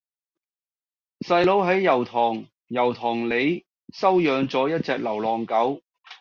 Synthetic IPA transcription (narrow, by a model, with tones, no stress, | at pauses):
sɐ˧jlo˨˥wɦɐ˨˥jːɐ˨˩wt̪ʰɔː˨˩ŋ | jɐ˨˩wt̪ʰɔː˨˩ŋle˨˧j | sɐ˥wjœː˨˧ŋt͡sɔː˨˥jɐ˥t̚t͡sɛː˧k̚lɐ˨˩wlɔː˨ŋkɐ˨˥w